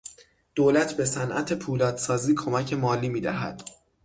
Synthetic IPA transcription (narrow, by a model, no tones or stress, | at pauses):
d̪̥oːlæt̪ʰbe̞sænʔæ̰t̪ʰe̞pʰuːlɒːd̪sɒːziːkʰo̞mæcʰe̞mɒːliːmiːd̪æɦæ̰d̪̥